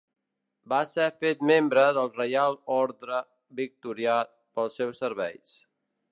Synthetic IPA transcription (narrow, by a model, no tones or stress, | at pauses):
basɛfet̪membɾəðəlˠrəjalˠɔɾðɾə | bik̚t̪uɾiat̪̚pəlˠsːɛwsːəɾβɛ̰js